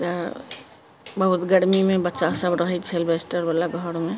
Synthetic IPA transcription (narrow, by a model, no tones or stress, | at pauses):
t̪ə | bəɦut̪ɡəɽmimebətːʃasəbɾəɦɛt͡ʃʰelbesʈəɾbalaɡʱəɾme